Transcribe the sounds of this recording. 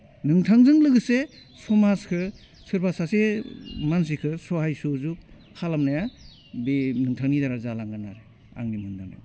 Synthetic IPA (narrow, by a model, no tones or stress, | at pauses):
nɯŋtʰaŋzɯŋlɯɡɯse | sɔmaskʰɯ | sɯɾbasasemansikʰɯsɔhajsozuk̚ʰː | alamnaja | binɯŋtʰaŋnidaɾazalaŋɡanaɾe | a̰ŋnimɯndana̰